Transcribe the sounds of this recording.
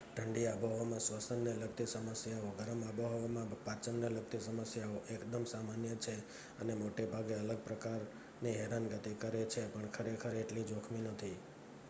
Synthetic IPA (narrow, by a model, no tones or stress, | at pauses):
ʈʰəɳɖiaboɦʋamãsʋəsənːeləɡt̪isəməsjaoɡəɾəmaboɦoʋamãpat͡ʃənːeləɡ̚t̪isəməsjaoʔekd̪əmsamanjət͡ʃʰe | ənemoʈebʱaɡeələɡ̚pɾəkaɾ | niɦɛɾanɡət̪ikəɾet͡ʃʰepəɳkʰəɾekʰəɾeʈlid͡ʒokʰminət̪ʰi